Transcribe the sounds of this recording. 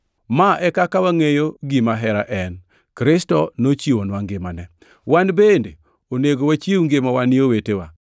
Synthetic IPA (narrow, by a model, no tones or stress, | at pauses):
maʔɛkakawaŋejoɡimaɦɛɾaʔɛn | kɾɪstɔnot͡ʃiwonwaŋɡɪmanɛ | wanbende | oneɡowat͡ʃiwŋɡemawanɪowetewa